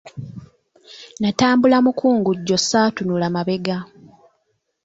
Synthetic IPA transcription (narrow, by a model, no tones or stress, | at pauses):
nataːmbulamukʰuːŋɡuɟːo̞sːatunulamaβe̞ɡa